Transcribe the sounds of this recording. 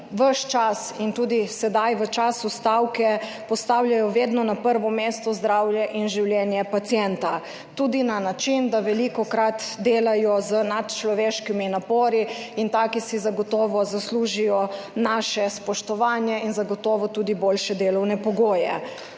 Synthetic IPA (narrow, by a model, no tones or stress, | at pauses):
ʋəʃt͡ʃasint̪uːd̪isɛd̪ajʋət͡ʃaːsust̪awkɛ | pɔst̪awljajɔʋed̪nɔnapəɾʋɔmeːst̪ɔzd̪ɾaːwjɛʔinʒiwljɛnjɛpat̪sjɛnt̪a | t̪uːd̪inanat͡ʃind̪aʋɛlikɔkɾat̪d̪eːlajɔzənat̪t͡ʃlɔʋeːʃkiminapɔːɾiint̪aːkisizaɡɔt̪ɔːʋɔzasluːʒijɔ | naːʃɛspɔʃt̪ɔʋaːnjɛinzaɡɔt̪ɔʋɔt̪uːd̪iboːlʃɛd̪eːlɔwnɛpɔɡoːjɛ̰